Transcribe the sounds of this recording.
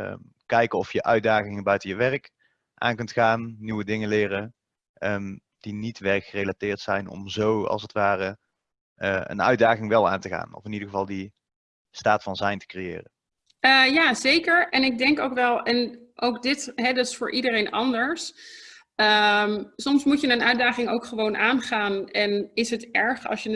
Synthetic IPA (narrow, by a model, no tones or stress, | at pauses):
ə | kɛjkəɔfjəʔœɥdaːχɪŋəbœɥtəjəʋɛrk | ʔa̰ːnkɵntxaːnːiwədɪŋənlɪːrə | əm | d̥initʋɛrkxərejlatɪːɹtsɛjnɔ̰mzowɑ̰lˠsətʋaːrə | əə̰nœ̰ɥdaːɣɪŋʋɛlˠa̰ːntəɣa̰ːnɔ̰fɪnidəɣəvɑlˠdi | staːtfɑnzɛjntə̥krejɪ̰ːrə | əːjaːzejkəɹʔɛnɪɡ̚dɛŋkowkʋɛlˠɛnʔowkdɪtɦɛdɑtɪ̥sfʊːɹʔidərejnʔɑndəɹs | əmsɔmsmucənənœɥdaːχɪŋowkχəʋownʔaːnχaːnɛnɪsɦətɛɹχɑ̰lˠsjən